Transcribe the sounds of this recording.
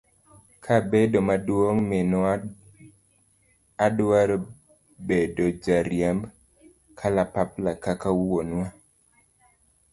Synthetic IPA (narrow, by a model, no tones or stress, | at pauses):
kʰabedomadwoŋmɪn | adwaɾo | bedod͡ʒaɾjamb | kʰalapaplakakawonwa